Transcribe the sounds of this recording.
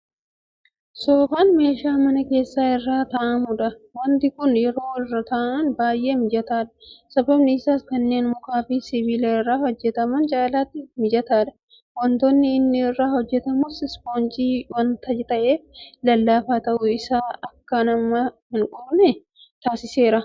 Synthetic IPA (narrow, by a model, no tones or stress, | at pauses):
soːfaːnme̞ːʃaːmɐnɐke̞ːsːaːɪrːaːt̪ɐːʔɐmuᶑɐwɐnt̪ɪkʊnjɛɾo̞ːɪrːɐt̪ɐːʔɐnbaːjʔe̞ːmɪd͡ʒɐt̪aːᶑɐ̥sɐbɐbnɪːsaːskɐnːe̞ːnmʊkaːfisɪviːlɐɪrːaːhɔd͡ʒːɛt̪ɐmɐnt͡ʃʼaːlaːt̪ːɪmɪd͡ʒɐt̪aːᶑɐ̥ | wɐnt̪oːnːɪːnːɪɪrːaːhɔd͡ʒːɛt̪ɐmʊsɪspoːnt͡ʃʼiːwɐnt̪ɐd͡ʒɛt̪ɐʔe̞ːflɐlːaːfaːt̪ɐʔʊɪsaːɐkːɐnɐmːɐhɪŋkʼɔbnɛ | t̪aːsɪse̞ːɾɐ